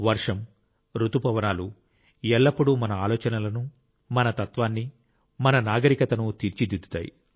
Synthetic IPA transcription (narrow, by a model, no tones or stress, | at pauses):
ʋɐɾʂɐm | ɾut̪upɐʋɐnaːlu | ɛlːɐpːuɽumɐnɐaːlɔːt͡ʃɐnɐlɐnu | mɐnɐt̪ɐt̪ʋaːnːi | mɐnɐnaːɡɐɾikɐt̪ɐnut̪iɾt͡ʃid̪id̪u̥t̪aːjḭ